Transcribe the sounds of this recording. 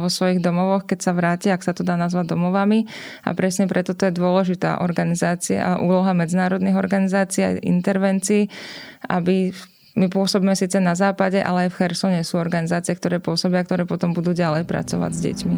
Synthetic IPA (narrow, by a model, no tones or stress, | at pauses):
ʋɔsʋɔjiɣd̪ɔmɔʋɔxkɛcsaʋɾaːciaaksat̪ɔd̪aːnazʋaɟd̪ɔmɔʋami | a̰pɾɛsɲɛpɾɛt̪ɔt̪ɔjɛd̪ʊɔlɛʒit̪a̰ːʔɔɾɡanizaːt͡sia̰ʔuːlɔɦamɛd͡zinaːɾɔd̪niɣɔɾɡanizaːt͡siːa̰ḭnt̪ɛɾʋɛnt͡siːa̰bi | mipʊɔsɔbiːmɛsiːt͡sɛnazaːpaɟɛʔa̰lɛajfxɛɾsɔɲɛsuːɔɾɡanizaːt͡sɪɛk̚t̪ɔɾɛːpʊɔsɔbɪak̚t̪ɔɾɛːpɔt̪ɔmbud̪uːɟalɛjpɾa̰t͡sɔʋa̰ɟzɟɛ̰cmi